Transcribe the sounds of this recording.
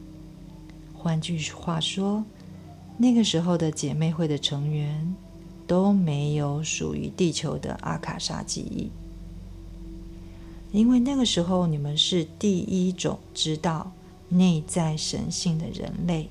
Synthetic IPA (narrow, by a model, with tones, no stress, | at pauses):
xwa˥nt͡ɕy˥˧xwa˥˩ʂwɔ˥ | na˥˩ɡə˩ʂɻ̩˧˥xo˥˧ʊd̪ə˩t͡ɕjɛ˨˩me˥˧ɪxwe˥˩ɪd̪ə˩ʈ͡ʂʰɤ˧˥ŋɥɛ˧˥n | t̪o˥ʊme˧˥ɪjo˧˥ʊʂṵ˨˩y̰˧˥t̪i˥˩t͡ɕʰjo˧˥ʊd̪ə̰˧ʔa̰˥˩kʰa̰˨˩ʂa̰˥t͡ɕḭ˥˧ḭ˥˩ | i˥nwe˥˧ɪna˥˩ɡə˩ʂɻ̩˧˥xo˥˩ʊni˨˩mə˦nʂɻ̩˥˧t̪i˥˩i˥ʈ͡ʂʊ̰˨˩ŋʈ͡ʂɻ̩˥t̪ɑ˥˩ʊ | ne˥˧ɪt͡sa˥˩ɪʂə̰˧˥nɕi˥˩ŋd̪ə̰˩ɻə̰˧˥nle˥˩ɪ